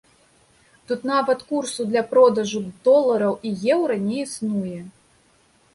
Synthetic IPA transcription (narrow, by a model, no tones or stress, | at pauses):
t̪ut̪navɐt̪kursud̪lʲɐpɾɔd̪ɐʐud̪ɔlˠːɐɾɐwijɛwɾɐnʲɛisnujɛ